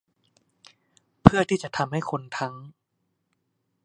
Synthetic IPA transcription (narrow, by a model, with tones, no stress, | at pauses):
pʰɯ˥˩ɐt̪ʰiː˥˩t͡ɕa˨˩ʔt̪ʰa˧mha˥˩jkʰo˧nt̪ʰa˦˥ŋ